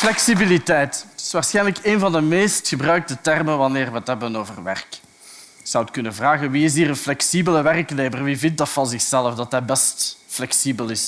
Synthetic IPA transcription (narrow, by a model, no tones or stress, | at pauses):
flɛksibilitɛjtɪ̥sʋaːrsxɛjnləkeːnvɑndəmeːstxəbrœɥk̚dətɛrməʋɑnɪːrʋəɦətɦɛbənoːvərʋɛ̰rk | ɪksɑwətkɵnənvraːɣənʋiɪs̬iːrənflɛksibələʋɛrkneːmərʋivɪnt̚dɑtfɑnzɪxsɛləfdɑtɦɛbɛstflɛksibəlɪs